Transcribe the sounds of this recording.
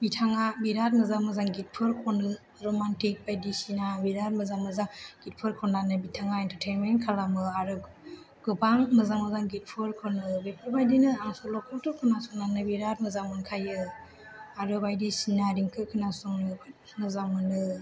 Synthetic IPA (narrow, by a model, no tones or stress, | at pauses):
bitʰaŋabiɾat̚mɯzamɯzaŋɡit̚pʰɯɾkʰɔnɯ | ɾomantik̚bajdisinabiɾat̚mɯzaŋmɯzaŋɡ̥it̚pʰɯɾkʰɔnanɯbitʰaŋaentəɾtʰejnmenkʰalamɯaɾɯ | ɡ̥ɯbaŋmɯzaŋmɯzaŋɡit̚pʰɯɾkʰɔnɯbepʰɯɾbajdinɯaŋsɔlɔkʰɔtʰɯkʰɯnasuŋnanɯbiɾat̚mɯzaŋmɯnkʰajɯ | aɾɯbajdisinaɾiŋkʰɯkʰɯnasuŋnɯb | mɯzaŋmɯnɯ